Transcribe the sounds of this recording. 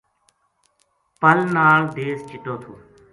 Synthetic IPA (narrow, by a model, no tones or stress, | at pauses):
pəlnaːɭd̪eːst͡ʃɪʈoːt̪ʰoː